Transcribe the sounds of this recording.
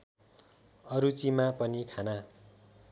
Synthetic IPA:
ʌɾut͡simapʌnikʰana

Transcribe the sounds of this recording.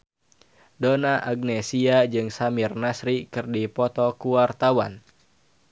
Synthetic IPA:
donaʔaɡ̚nɛsiad͡ʒɨŋsamirnasɾikɨrdipɔt̪ɔkuwart̪awan

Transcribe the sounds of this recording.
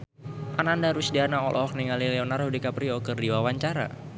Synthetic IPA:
ʔanandaɾusdianaɔ̰lʔɔɔk̚niŋalilɛɔnarhudikapɾiɔkɨrdiwawaɲt͡ʃaɾa̰

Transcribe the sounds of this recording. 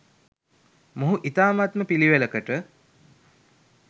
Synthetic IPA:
moɦuʔit̪aːmat̪məpiliʋeləkəʈə

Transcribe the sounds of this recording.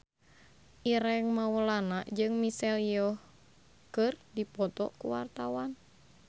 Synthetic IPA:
ʔiɾɛŋmawəlanaʔd͡ʒɨŋmisɛljɔh | kɨrdipɔt̪ɔ̰kṵwa̰rt̪awan

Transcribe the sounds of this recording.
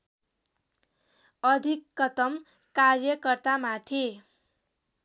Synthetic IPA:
ʌd̪ʱikːʌt̪ʌm | karjʌkʌrt̪amat̪ʰi

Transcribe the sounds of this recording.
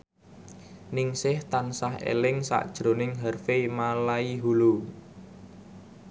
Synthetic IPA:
nɪŋsɪht̪ansaɦḛlɪŋsa̰ʔd̥ʒ̥ɾo̤nɪŋɦərfemalaiɦulu

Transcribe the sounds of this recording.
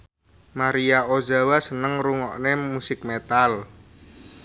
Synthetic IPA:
maɾijaozawasənəŋruŋɔʔnemusɪk̚met̪al

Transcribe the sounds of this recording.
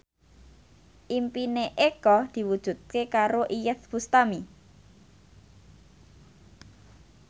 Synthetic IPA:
ʔimpineʔekɔd̪̥i̤wud̥ʒ̥ṳt̪̚kekaɾoʔijɛt̪̚b̥ust̪ami

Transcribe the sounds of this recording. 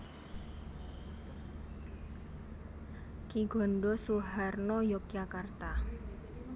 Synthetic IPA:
kiɡ̥ɔ̤nɖɔsuɦarnɔjɔk̚jakart̪a

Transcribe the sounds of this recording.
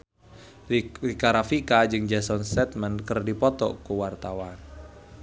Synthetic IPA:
rikaɾafikad͡ʒɨŋd͡ʒasɔnsɛt̪̚mənkərdipɔt̪ɔ̰kuwart̪awan

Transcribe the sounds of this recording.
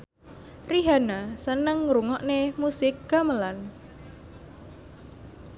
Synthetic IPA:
riɦanasənəŋːɾuŋɔʔnemusɪk̚ɡ̥aməlan

